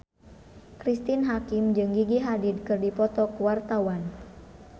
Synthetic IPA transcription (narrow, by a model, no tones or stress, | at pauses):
kɾist̪ɪnɦakimd͡ʒɨŋɡiɡiɦadid̚kɨrdipɔt̪ɔkuwart̪awan